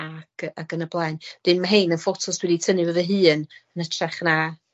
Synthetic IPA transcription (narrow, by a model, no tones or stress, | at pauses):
aɡ̥aɡənəblˠajnd̥ɨnmaɦejnənfɔtʰʊsd̥wɛditʰənɨvəvəɦɨːnənətʰrɛχna